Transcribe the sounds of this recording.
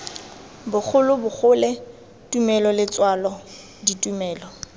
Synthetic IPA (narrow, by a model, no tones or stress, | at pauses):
bʊk͡xʰʊlʊbʊk͡xʊlɛ | tʼumɛlɔlɪt͡sʼwalɔ | ditʼumɛːlɔ